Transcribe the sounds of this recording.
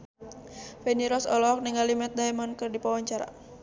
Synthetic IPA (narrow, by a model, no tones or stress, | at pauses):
fɛniɾɔsɔ̰lɔk̚nɛŋalimɛt̪̚daɛmɔnkɨrdipawaɲt͡ʃaɾa̰